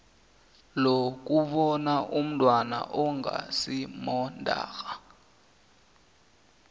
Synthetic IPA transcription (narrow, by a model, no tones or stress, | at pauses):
lok̬ʼuɓɔnaʔum̩tʼwana̰ʔɔŋa̰simɔndʱa̰ːɣa